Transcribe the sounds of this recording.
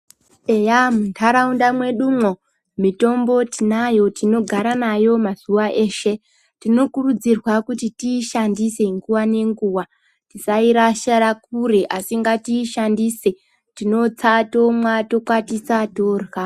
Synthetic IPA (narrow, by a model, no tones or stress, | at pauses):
e̞jamuntʰaɾaundamwe̞ɗumwo̞ | mito̞mbo̞tinajo̞tino̞ɡʱaɾanajo̞maz̥uʋaʔe̞ːʃe̞ | tino̞kurud͡zirwakutitiːʃandise̞ŋɡuwane̞ŋɡuːwa | tisaiɾaʃaɾakureʔasiŋɡatiːʃandise̞ | tino̞t͡sato̞mwato̞kwatisato̞ːrwa